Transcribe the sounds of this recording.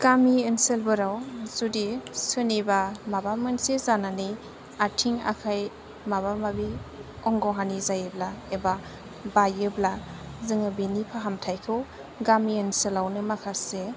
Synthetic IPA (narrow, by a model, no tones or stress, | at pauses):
ɡ̥amienselbɯɾawzudisɯnibamabamɯnsezanani | atʰiŋa̰kʰaj | maβamabi | ɔŋɡɔɦanizajɯblaeba | bajɯblazɯŋɯbinipʰaɦamtʰajkʰɯw | ɡamienselawnɯmakʰase